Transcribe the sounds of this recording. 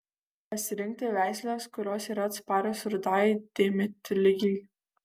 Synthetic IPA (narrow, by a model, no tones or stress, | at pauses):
pɐsʲɪɾʲɪŋk̚t̪ʲɪʋʲæˑɪsʲlʲoːskʊɾʲoːsiːɾɐt̪spɑːɾʲosɾd̪ɑːd̪̥ʲɛmʲɪt̪lʲɪɡʲilʲ